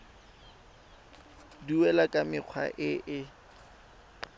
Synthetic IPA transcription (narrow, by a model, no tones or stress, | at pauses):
diɛlakʼamɪq͡χʰwa̰ʔɪʔɪ